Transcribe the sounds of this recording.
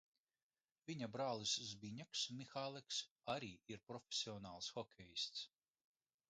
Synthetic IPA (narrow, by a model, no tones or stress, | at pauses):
vʲiɲabɾaːlˠiszbʲiɲɛksmʲixaːlˠɛks | aɾiːiɾpɾɔfʲesʲiɔnaːlˠsxɔkʲʰejist̪s